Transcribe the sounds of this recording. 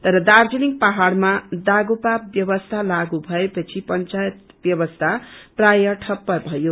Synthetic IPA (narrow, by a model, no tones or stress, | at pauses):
t̪ʌɾʌd̪ard͡zʌniŋ̚paɦaɽmad̪aɡupap̚bjʌbʌst̪ʰalaɡubʱʌepʌt͡sʰipʌnt͡sajet̪ | bjʌbʌst̪ʰaprajʌʈʰʌpːʌrbʱʌjo